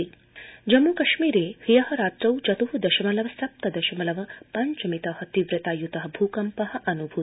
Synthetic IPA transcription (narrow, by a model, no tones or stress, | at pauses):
i | d͡ʒɐmukɐʃmiːɾeːhijɐɦɐ̆ɾaːt̪ɾɐwt͡ʃɐt̪uɦud̪ɐʃɐmɐlɐʋɐsɐp̚t̪ɐd̪ɐʃɐmɐlɐʋɐpɐɲt͡ʃɐmit̪ɐɦɐt̪iʋɾɨt̪aːjut̪ɐɦɐ̆bʱuːkɐmpɐɦɐ̆ʔɐnubʱu